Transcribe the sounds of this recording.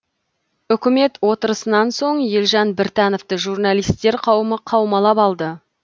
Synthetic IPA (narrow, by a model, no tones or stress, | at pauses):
ʏkʲɪme̞t̪wo̞t̪əɾəsənɑnso̞ɴje̞lʒɑnbɪɾt̪æno̞ft̪əʒurnɑlijst̪ːe̞ɾqʰɑwəməqʰɑwmɑlˠɑpɑlˠd̪ə